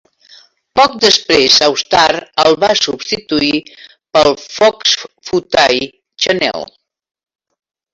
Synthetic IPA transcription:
pɔk̚d̪əspɾezəwst̪aɾəlˠβasubst̪it̪ui | pəlˠfɔksfut̪aj | t͡ʃənɛ̰l

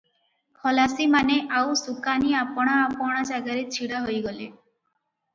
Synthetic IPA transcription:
kʰɔlasimaneʔawsukaniapɔɽ̃aːpɔɽ̃ad͡ʒaɡaɾet͡ɕʰiɽaɦojɡɔlḛ

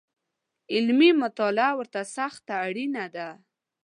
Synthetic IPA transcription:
ɪlmimʊt̪ɑlɪawəɾt̪asaxt̪aːɽinad̪a

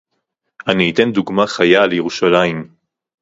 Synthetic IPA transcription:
aniːt̪e̞nd̪uɡmaχajalejeʁuʃalaim

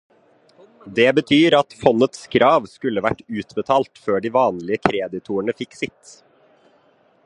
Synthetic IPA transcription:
d̪eːbət̪ʰyːɾɑt̪fɔnət̪skʰɾɑːʋskʉləʋæʈːʉːt̪bət̪ʰɑːlt̪føːɖiːʋɑːnlɪəkʰɾeːd̪ɪt̪ʰuːəɳəfɪksɪt̪

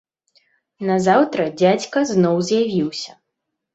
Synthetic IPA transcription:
nɐzawt̪ɾɐd͡zʲat͡sʲkɐznɔwzʲjavʲiwsʲɐ

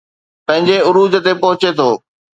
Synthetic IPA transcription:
pɐ̃ɦɪ̃ɲd͡ʑeʊɾuːd̪ət̪epɐɦʊt͡ɕet̪ʰoː

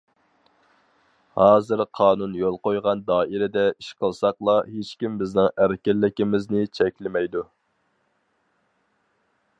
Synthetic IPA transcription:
hɑːzɨɾqʰɑːnunjolˠqojʁɑnd̪ɑːʔiɾɪd̪ɛiʃqʰəlˠsɑqlˠɑɦet͡ʃkʲimbɪznɪŋæɾkʲɛlːɪkʲɪmɪznɪt͡ʃʰɛkʲlɪmɛjd̪u

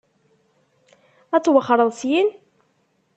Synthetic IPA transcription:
æt͡sːwəχːɑɾˤəðˤsjin

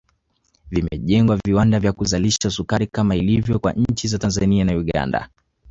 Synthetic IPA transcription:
vimɛ̰ʄɛŋɡwaviwandavjakuzaliʃasukaɾikamailivjɔkwa̰ɲ̩t͡ʃizatanzanianauɠa̰nda̰

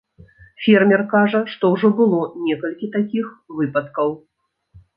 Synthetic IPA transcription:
fʲɛrmʲɛrkaʐɐʂt̪ɔwʐɔbɨlˠɔnʲɛkɐlʲkʲit̪akʲixvɨpɐt̪kɐw

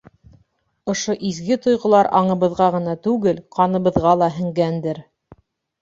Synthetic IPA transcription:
ŏʃoʔizɡɘt̪ŏjʁŏlˠɑɾʔɑɴɤ̆βɤ̆ðʁɑʁɤ̆nɑt̪ʉɡɘlqʰɑnɤ̆βɤ̆ðʁɑlˠɑɦɘ̆ŋɡænd̪ɘɾ

